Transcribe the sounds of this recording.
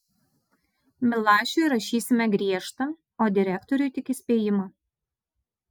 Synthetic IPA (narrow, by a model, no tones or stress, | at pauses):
mʲɪlˠɑːʃʲʊjɾɐʃʲiːsʲɪmʲɛɡɾʲiɛʃt̪ɐ | oːd̪ʲɪɾʲækt̪ɔɾʲʊjt̪ʲɪkʲɪsʲpʲeːjɪmɐ